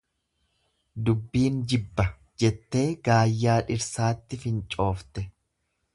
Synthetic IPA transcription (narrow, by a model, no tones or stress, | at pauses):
d̪ʊbːiːnd͡ʒɪbːɐ | d͡ʒɛt̪ːe̞ːɡaːjːaːᶑɪɾsaːt̪ːɪfɪnt͡ʃʼo̞ːft̪ɛ